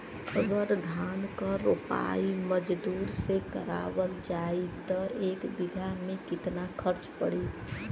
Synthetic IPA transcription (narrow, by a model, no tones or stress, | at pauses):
əɡəɾd̪ʱaːnkəɾopa̰iməd͡ʒd̪uːɾsekəɾa̰ːwəld͡ʒait̪əɾeːkbɪd̪ʱamẽkɪt̪nakʰəɾt͡ʃpəɽi